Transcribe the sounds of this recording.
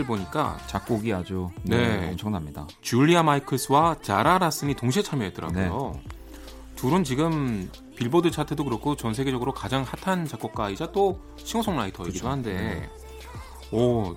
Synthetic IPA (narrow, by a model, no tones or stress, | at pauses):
ɯɭboɲik͈a̰t͡ɕak͈oɡiad͡ʑoneʌmt͡ɕʰʌŋnamɲida̰ | t͡ɕuʎːiamaikʰɯs͈ɯwat͡ɕaɾaɾas͈ɯnitoŋɕʰiet͡ɕʰaɭmjʌɦet͈ɯɾa̰nɡjo | tuɾɯnt͡ɕiɡɯm | piɭbodɯt͡ɕʰatʰɯdokɯɾʌkʰot͡ɕʌnsʰe̞ɡe̞d͡ʑʌɡɯɾokad͡ʑaŋhatʰant͡ɕak͈ʌk̚k͈aid͡ʑat͈o | ɕʰiŋosʰoŋmaitʰʌeɡidohande̞ | ʌ